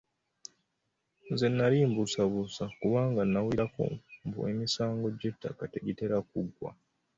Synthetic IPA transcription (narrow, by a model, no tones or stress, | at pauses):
ze̞nːaliːmbusaβusakuβaːŋɡanːawiɾako̰mbṵemisaːŋɡo̞ɟe̞tʰːa̰kate̞ɡite̞ɾakuɡwa̰